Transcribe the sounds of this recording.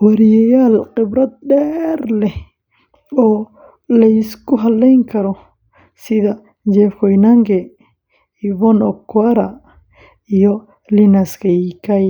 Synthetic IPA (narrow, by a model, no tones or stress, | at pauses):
wɐɾjɛjalqɪbɾɐd̪̚ɗɛːɾlɛ | ɔː | lɐiskʊɦɐlːɛjŋkʰɐɾɔ | sɪða | d͡ʒɛfkɔjnaŋɡɛ | iβɔnɔkːwaɾa | ijɔ | linɐskɐikaj